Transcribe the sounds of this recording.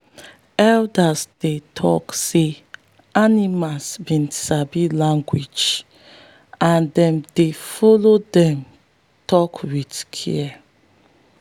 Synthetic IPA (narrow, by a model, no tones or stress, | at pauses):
ɛldasd̥etʰɔ̰kse | animasbĩndisabilãŋɡwid͡ʒ | ãndɛ̃mdefɔlodɛ̃m | tʰɔkwidkʰḭɛ